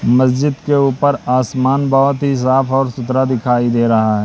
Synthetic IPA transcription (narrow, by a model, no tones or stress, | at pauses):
mɐsd͡ʒɪd̪keuːpəɾaːsmaːnbɔɦʊt̪ɦis̬aːpʰɔːɾsʊt̪ɾad̪ɪkʰaːid̪eːɾɐɦaɦɛː